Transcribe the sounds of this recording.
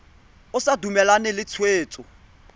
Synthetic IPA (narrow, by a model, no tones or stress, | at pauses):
ʊsadumɛlanɛlɪt͡sʰweːt͡sʼɔ